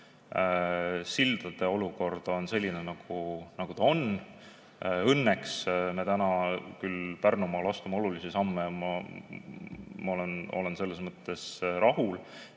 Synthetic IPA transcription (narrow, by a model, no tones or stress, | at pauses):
sild̪̥ɑd̪̥e̞o̞luko̞rd̪̥ɑo̞nse̞lʲːinenɑɡ̥unɑɡ̥ut̪ɑo̞n | ɤnːeksmet̪ænɑkylpærnumɑlɑst̪umɑo̞lulisisɑmːejɑmɑ | mɑ̰o̞leno̞le̞nse̞lːe̞s̬mɤt̪ˑːe̞srɑɦul